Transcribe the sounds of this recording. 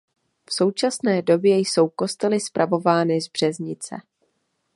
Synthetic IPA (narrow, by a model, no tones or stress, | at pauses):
fso̞wt͡ʃasnɛːdo̞bjɛjso̞wko̞st̪ɛlɪspɾʔavo̞vaːnɪzbr̝̥ɛzɲɪt͡sɛ̰